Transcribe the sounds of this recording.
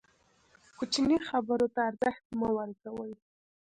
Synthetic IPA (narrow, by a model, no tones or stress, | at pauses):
kut͡ʃinixabəɾot̪aːɾzəxt̪̚məwəɾkawəj